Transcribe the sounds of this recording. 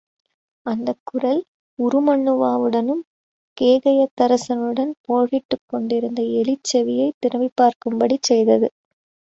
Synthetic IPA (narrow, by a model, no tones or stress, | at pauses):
ɐnd̪ɐkːɯrɐl | ʊɾɯmɐɳːɯʋaːʋɯɽɐnɯm | keːɣɐjɐt̪ːɐɾɐsɐnɯɽɐnpoːɣɪʈːɯkːɔɳɖɪɾɯnd̪ɐɛlɪt͡ʃːɐʋɪjɐɪt̪ːɪɾɐʋɪpːaːɾkɯmbɐɽit͡ʃːɛjðɐðɯ